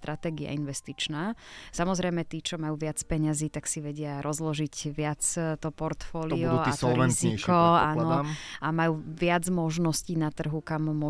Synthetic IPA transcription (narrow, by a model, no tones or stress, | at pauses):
t̪ɾʔat̪ɛːɡia̰inʋɛst̪it͡ʃnaːsamɔzɾɛjmɛt̪iːt͡ʃɔmajuːʋɪat͡spɛɲaziːt̪aksiʋɛɟɪaɾʔɔzlɔʒicʋɪat͡st̪ɔpɔɾt̪fɔːliɔːisɔlɾɛitzɲɛkɔaːnɔamajuːʋɪad͡zmɔʒnɔsciːnat̪r̩ɦukamːʊɔ